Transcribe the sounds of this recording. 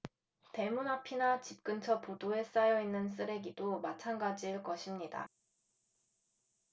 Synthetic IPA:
te̞munɦapʰinat͡ɕip̚k͈ɯnt͡ɕʰʌpodoe̞s͈ajʌinːɯns͈ɯɾe̞ɡidomat͡ɕʰanɡad͡ʑiɭk͈ʌɕʰimɲida̰

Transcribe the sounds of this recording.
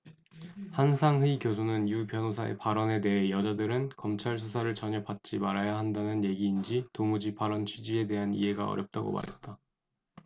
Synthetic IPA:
hansʰaŋɦɯikjosʰunɯnjupjʌnosʰaḛpaɾʌne̞de̞ɦe̞jʌd͡ʑadɯɾɯnkʌmt͡ɕʰaɭs̬ʰusʰaɾɯɭt͡ɕʌɲʌpat̚t͡ɕ͈imaɾajaɦandanɯnje̞ɡiːnd͡ʑitomud͡ʑipaɾʌnt͡ɕʰɥid͡ʑie̞de̞ɦanḭɦe̞ɡaʌ̰ɾjʌp̚t͈aɡo̰ma̰ɾḛt̚t͈a

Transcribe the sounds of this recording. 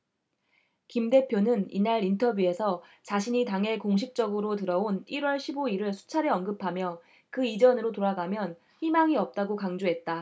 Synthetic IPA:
kimde̞pʰjonɯnḭnaɾintʰʌbjue̞sʰʌ | t͡ɕaɕʰiɲitaŋɦe̞koŋɕʰik̚t͡ɕ͈ʌɡɯɾotɯɾʌoniɾwʌɭɕʰiboiɾɯɭsʰu̥t͡ɕʰaɾeʌnɡɯpʰamjʌ | kɯid͡ʑʌnɯɾotoɾaɡamjʌn | ɸimaŋiʌp̚t͈aɡokaŋd͡ʑoɦe̞t̚t͈a

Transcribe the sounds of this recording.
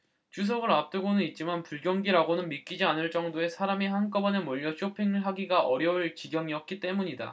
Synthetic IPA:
t͡ɕus̬ʰʌɡɯɾap̚t͈ɯɡonɯnit̚t͡ɕ͈imanpuɭɡjʌŋɡiɾaɡonɯnmik͈id͡ʑianɯɭt͡ɕ͈ʌŋdoe̞sʰaɾamiɦank͈ʌbʌnemoʎːʌɕʰopʰiŋɯɭɦaɡiɡaʔʌɾjʌuɭt͡ɕiɡjʌŋiʌk̚k͈it͈e̞muɲida̰

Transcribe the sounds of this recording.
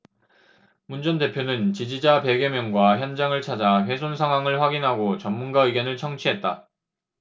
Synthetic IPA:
mund͡ʑʌnde̞pʰjonɯnt͡ɕid͡ʑid͡ʑape̞ɡjemjʌŋɡwaçjʌnd͡ʑaŋɯɭt͡ɕʰad͡ʑaɸwe̞sʰonsʰaŋɦwaŋɯɭɸwaɡinɦaɡot͡ɕʌmːunɡaɯɡjʌnɯɭt͡ɕʰʌŋt͡ɕʰiɦe̞t̚t͈a

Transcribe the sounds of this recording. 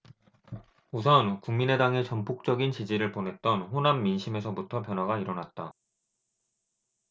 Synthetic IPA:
usʰʌnkuŋmine̞daŋɦe̞t͡ɕʌmpʰuk̚t͡ɕ͈ʌɡint͡ɕid͡ʑiɾɯɭponɦe̞t̚t͈ʌnɸonamːinɕʰime̞sʰʌmutʰʌpjʌnɦwaɡaiɾʌnat̚t͈a

